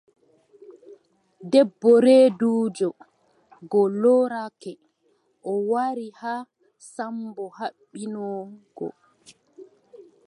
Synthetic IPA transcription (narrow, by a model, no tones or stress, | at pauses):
dɛbːɔɾeːduːd͡ʒɔ | ɡɔlɔːɾakɛ | ʔɔwaɾiha | sambɔhaɓːinɔːɡɔ̰